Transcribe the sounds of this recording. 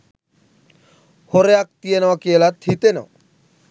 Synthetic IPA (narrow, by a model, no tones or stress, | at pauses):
hoɾeak̚t̪ijenawakielat̪hit̪ena̰w